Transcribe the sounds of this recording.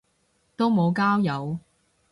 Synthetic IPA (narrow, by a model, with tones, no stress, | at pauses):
t̪o˥wmo˨˧wkaː˥wjɐ˨˧w